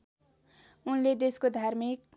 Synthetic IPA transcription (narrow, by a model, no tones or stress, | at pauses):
unled̪eskod̪ʱarmik̚